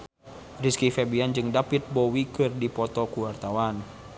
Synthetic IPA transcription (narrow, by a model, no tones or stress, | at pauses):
riskifɛbiand͡ʒɨŋdapit̪̚bɔwikɨrdipɔt̪ɔkuwart̪awan